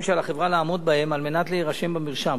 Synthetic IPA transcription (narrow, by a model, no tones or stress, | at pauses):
mʃealaχevʁalaːmo̞d̪̚bahe̞malme̞nat̪leiʁaʃe̞mbamiʁʃam